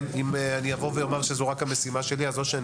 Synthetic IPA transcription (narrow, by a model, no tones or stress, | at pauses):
imeanijavovejomaʁʃezuʁakhame̞simaʃe̞liazo̞ʃean